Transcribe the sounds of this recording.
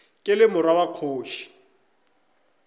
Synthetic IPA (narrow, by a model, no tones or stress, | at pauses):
kʼɪlɪmʊɾawaq͡χʰoːʃi̥